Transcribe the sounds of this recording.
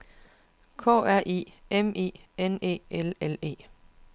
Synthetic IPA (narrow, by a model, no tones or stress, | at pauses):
kʰɔ̰̽ːæɐ̰ʔḭːemʔḛːenḛːelelḛː